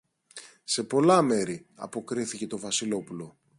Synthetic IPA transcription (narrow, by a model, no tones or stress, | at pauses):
se̞po̞lɐme̞ɾiɐ̰po̞kɾiθice̞t̪o̞vɐsilo̞pulo̞